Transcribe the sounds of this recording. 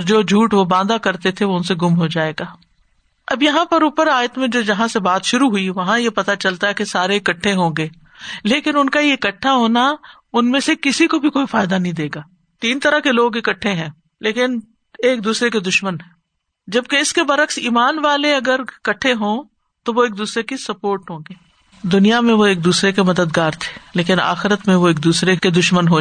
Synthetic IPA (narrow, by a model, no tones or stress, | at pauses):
ɔɾd͡ʒoːd͡ʒʱuːʈʋobãːd̪akɐɾt̪et̪ʰeʋoʊnseɡʊmɦod͡ʒaːeːɡaː | ɐbjɐɦãpɐɾuːpəɾaːjət̪mẽd͡ʒoːd͡ʒɐɦãsebaːt̪ʃʊɾuɦʊiʋɐɦãjepɐt̪at͡ʃɐlt̪aɦɛkesaːɾeɪkɐʈʰːẽɦõːɡeː | leːkɪnʊnkaieɪkəʈʰːaɦoːna | ʊnmẽsekɪsikobʱikoːifaːɪd̪anɐɦĩd̪eːɡaː | t̪iːnt̪ɐɾəɦkeloːɡɪkəʈʰːeɦɛ̃ː | leːkɪn | eːk̚d̪uːsɾeked̪ʊʃmənɦɛ̃ | d͡ʒɐb̚keɪskebɐɾəksiːmaːnʋaːleɐɡəɾɪkɐʈʰːeɦõː | t̪oʋoeːk̚d̪uːsɾekisɐpoːɾʈɦõːɡeː | d̪ʊnijamẽʋoeːk̚d̪uːsɾekemɐd̪əd̪ɡaːɾt̪ʰe̥ːleːkɪna̰ːxɪɾət̪mẽʋoeːk̚d̪uːsɾeked̪ʊʃmənɦoː